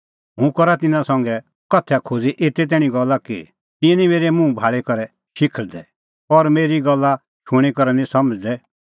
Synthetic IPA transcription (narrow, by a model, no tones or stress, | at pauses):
ɦũkɔɾat̪ɪnãsɐ̃ŋɡɛ | kɐt̪ʰɛakʰod͡ziʔet̪ɛt̪̬ɛːɽ̃ĩɡɔlːakḭ | t̪ɪɛ̃nĩmeːɾɛmũbʱaːɭekɐɾɛ | ʃɪkʰəld̪ɛ | ɔɾmeːɾiɡɔlːa | ʃuɽ̃ikɔɾɛnĩsɐməd͡zd̪ɛ